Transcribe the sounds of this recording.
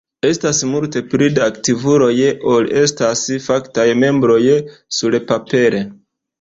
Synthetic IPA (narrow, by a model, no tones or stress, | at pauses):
e̞stasmulte̞pɾidaktivuɾo̞jʔole̞stasfaktajme̞mbɾo̞jsulpape̞ɾe̞